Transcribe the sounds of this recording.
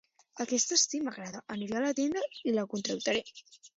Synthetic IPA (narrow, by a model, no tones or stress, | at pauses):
akest̪ast̪imaɣɾaðaʔaniɾalat̪end̪ailakunt̪ɾawt̪aɾe